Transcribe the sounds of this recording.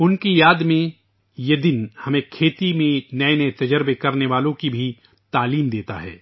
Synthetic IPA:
ʊnkijaːd̪mẽ | jed̪ɪnhɐmẽkʰeːt̪imẽnɐenɐet̪ɐd͡ʒəɾbekɐɾneʋaːlõkibʱi | t̪aːliːmd̪eːt̪a̰ɦɛ̰ː

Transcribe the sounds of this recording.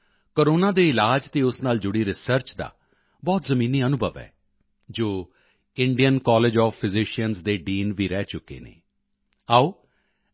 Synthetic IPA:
koɾoːnãːd̪eːɪlaːd͡ʒt̪eːʊsnaːld͡ʒʊɽiːɾɪsəɾt͡ʃd̪a̰ː | bɔːt̪zəmĩːniːənʊbʱəʋɛ̰ː | d͡ʒoː | ɪɳɖijənkɔːled͡ʒɔːfʰːɪzɪʃijənzd̪eːɖiːnʋiːɾɛːt͡ʃʊkːḛːnḛː | aːoː

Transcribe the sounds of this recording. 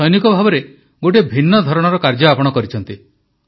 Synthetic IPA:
ɔjnikɔbʱabɔɾe | ɡoʈ̬ebʱinːɔd̪ʱɔɾɔɽ̃ɔɾɔkaɾd͡ʒɔapɔɽ̃ɔkɔɾit͡ʃʰɔnt̪i

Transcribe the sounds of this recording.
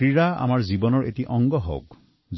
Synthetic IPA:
ɹiɹaa̰maɹzibɔnɔɹḛtiʔɔŋɡɔɦo̰wk | z

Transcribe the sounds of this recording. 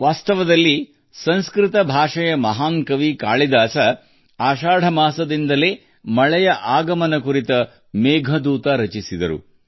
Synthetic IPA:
ʋaːst̪ɐʋɐd̪ɐlːi | sɐ̃nskɾit̪ɐbʱaːʂɐjɐmɐɦaːnkɐʋikaːɭid̪aːsɐ | aːʃaːɽʱɐmaːsɐd̪ind̪ɐleː | mɐɭɛjɐʔaːɡɐmɐnɐkuɾit̪ɐ | mɛːɡʱɐd̪uːt̪ɐɾɐt͡ʃisid̪ɐ̰ɾṵ

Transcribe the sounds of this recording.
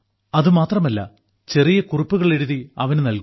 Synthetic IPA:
ɐðɨmaːt̪rɐmɐlːɐ̰ | t͡ɕe̞rijɐkuripːuɣɐɭe̞ɽuðiɐ̰ʋɐnunɐlku

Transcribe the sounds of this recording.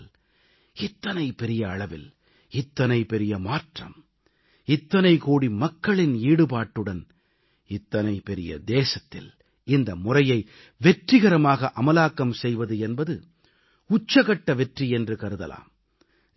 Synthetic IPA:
l | ɪt̪ːɐnɐɪpɛɾɪjɐɐɭɐʋɪ̰l | ɪt̪ːɐnɐɪpɛɾɪjɐmaːʈrɐ̰m | ɪt̪ːɐnɐɪkoːɽimɐkːɐɭɪniːɽɯpaːʈːɯɽɐn | ɪt̪ːɐnɐɪpɛɾɪjɐ̰d̪eːsɐt̪ːɪl | ɪnd̪ɐmʊrɐjɐɪ | ʋɛʈrɪɣɐɾɐmaːɣɐʔɐmɐlaːkːɐmsɛjʋɐðɯɛnbɐðɯ | ʊt͡ʃːɐɣɐʈːɐʋɛʈriɛndrɯkɐɾɯðɐ̰la̰ːm

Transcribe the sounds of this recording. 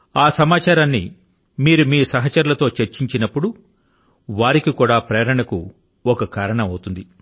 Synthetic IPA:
aːsɐmaːt͡ʃaːɾaːnːḭ | miːɾumiːsɐɦɐt͡ʃɐɾulɐt̪o̞ːt͡ʃeɾt͡ʃiɲt͡ʃinɐpːuɽu | ʋaːɾikikuːɽaːpɾeːɾɐɳɐkṵ | ɔkɐkaːɾɐɳɐmɐwut̪und̪i

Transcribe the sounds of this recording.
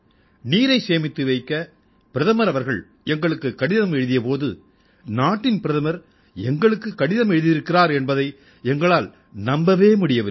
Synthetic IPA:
niːɾɐɪseːmɪt̪ːɯʋɐɪkːɐ | pɪɾɐðɐmɐɾɐʋɐɾɣɐɭ | ɛŋɡɐɭɯkːɯkːɐɽɪðɐmɛɻɯðɪjɐpoːðɯ̰ | naːʈːɪnpɪɾɐðɐmɐɾ | ɛŋɡɐɭɯkːɯkːɐɽɪðɐmɛɻɯðɪɾɯkːɪraːɾɛnbɐðɐɪ | ɛŋɡɐɭaːl | nɐmbɐʋeːmʊɽɪjɐʋɐ

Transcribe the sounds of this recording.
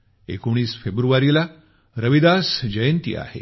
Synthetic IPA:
ḛkoɳ̃iːsfebɾuʋaɾila | ɾəʋid̪asd͡ʑəjənt̪ḭːa̰hḛ

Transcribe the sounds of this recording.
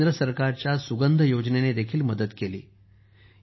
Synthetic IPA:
d̪ɾəsəɾkaɾt͡ɕjasuɡənd̪ʱəjod͡ʑnened̪ekʰiːlməd̪ət̪kelḭː

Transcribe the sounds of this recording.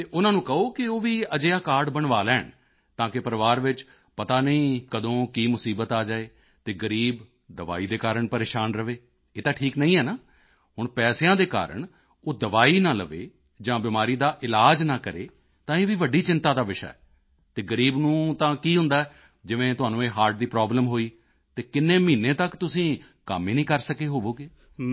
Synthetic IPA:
t̪eːʔʊnãːnũːkəoːkɪoːʋiːəd͡ʒeːaːkaːɾɖbəɳʋaːlɛːɳ | t̪ãːkɪpəɾʋaːɾʋɪt͡ʃ | pət̪aːnəĩːkəd̪õːkiːmʊsiːbət̪aːd͡ʒaːeː | t̪eːɡəɾiːb | d̪əʋa̰ːiːd̪eːkaːɾəɳpəɾeːʃaːnɾəʋeː | eːt̪ãːʈʰiːknəĩːɦɛːnaː | ɦʊɳpɛːseːãːd̪eːka̰ːɾə̰ɳ | oːd̪əʋaːiːnãːləʋḛː | d͡ʒãːbɪmaːɾiːd̪aːʔɪlaːd͡ʒnãːkəɾeː | t̪ãːeːʋiːʋəɖːiːt͡ʃɪnt̪aːd̪aːʋɪʃa̰ːɛː | t̪eːɡəɾiːbnũːt̪ãːkiːɦʊ̃nd̪aːɛː | d͡ʒɪʋẽːt̪ʊɦaːnũːeːɦaːɾʈ̚d̪iːpɾaːbləmɦoːiː | t̪eːkɪnːẽːmĩːnẽːt̪əkt̪ʊsĩː | ka̰miːnĩːkəɾsəkeːɦoːʋoːɡeː

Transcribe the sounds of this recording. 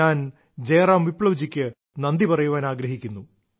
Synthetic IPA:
aːn | d͡ʑeːraːmʋipɭɐʋd͡ʑikʲːɨ | nɐnd̪ipɐrɐjuʋaːnaːɡɾɐɦikʲːunːu

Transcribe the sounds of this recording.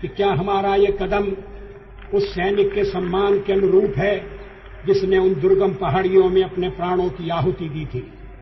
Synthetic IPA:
kikjaːɦɐmaːɾajekɐd̪əm | ʊsːɛːnɪkːesɐmːaːnkeɐnʊɾuːpɦɛ | d͡ʒɪsneʊnd̪ʊɾɡəmpɐɦaːɽijõmẽɐpnepɾaːɽ̃õkiaːɦʊt̪id̪iːt̪ʰiː

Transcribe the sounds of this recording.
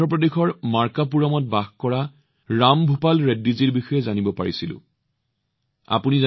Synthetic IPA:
ɔp̬ɹɔdexɔɹmaɹkap̬uɹɔmɔt̚baxkɔɹa | ɹambʱupalɹedːiziɹbixɔjɛzanibɔpaɹisilʊ̰̃ | a̰puniza

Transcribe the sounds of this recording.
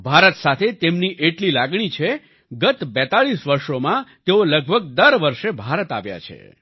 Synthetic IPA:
bʱaɾət̪sat̪ʰet̪emniʔeʈlilaɡɳ̃it͡ʃʰe | ɡət̪bɛt̪aɭisʋəɾʃomãt̪eoləɡ̚bʱəɡ̚d̪əɾʋəɾʃebʱaɾət̪aʋja̰t͡ʃʰḛ

